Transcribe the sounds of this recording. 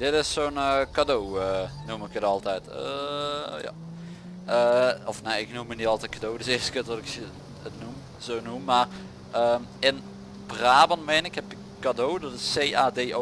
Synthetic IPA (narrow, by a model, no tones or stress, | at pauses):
d̥ɪtɪsːoːnkadowənumɪkətɔlˠtɛjtə̰ | ja̰ | əɔfneɪknumənitɑlˠtɛjtkadowdəsɪːstəkətʋɔtɪk | ətnum | z̥oːnumːaːr | əːmɪn | praːbənmeːnɪkhɛpɪ | kːadowdɔtɪsːeːaːdeːʔo